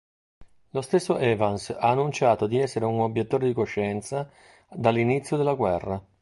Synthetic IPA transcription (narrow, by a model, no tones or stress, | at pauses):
lost̪esːoʔɛːvansaːnːunt͡ʃaːt̪od̪iɛsːeɾeunobjet̪ːoːɾed̪ikoʃːɛnt̪sa | d̪alːinit̪sːjod̪elːaɡwɛrːa